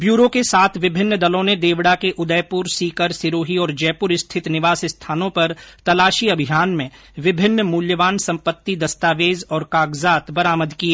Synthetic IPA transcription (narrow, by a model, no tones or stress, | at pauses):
bjuːɾokesaːt̪ʰʋɪbʱɪnːd̪ɐlõned̪eːʋɽakeʔʊd̪əjpʊɾsiːkəɾsɪɾoːɦiɔːɾd͡ʒɛːpʊɾɪst̪ʰɪt̪nɪʋaːsɪst̪ʰaːnõpɐɾt̪ɐlaːʃiɐbʱɪɦaːnmẽ | ʋɪbʱɪnːmuːljəʋaːnsɐ̃mpət̪ːid̪ɐst̪aːʋeːzɔːɾkaːɡzaːt̪bɐɾaːməd̪kieː